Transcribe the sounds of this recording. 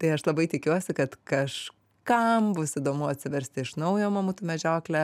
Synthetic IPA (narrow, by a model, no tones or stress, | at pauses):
t̪ɐɪɐʃlˠɐbɐɪt̪ʲɪkʲuɔsʲɪkɐt̪kɐʃ | kɐmbʊsɪd̪oːmʊɐtʲsʲɪʋʲɛɾʲsʲt̪ʲɪɪʃnɐʊjoːmɐmuːt̪umʲɛʒʲoːklʲɛ